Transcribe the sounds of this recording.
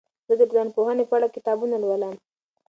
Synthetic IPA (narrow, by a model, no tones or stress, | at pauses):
z̥əd̪əɡɑnpohənefaɽakɪt̪ɑbunalwələm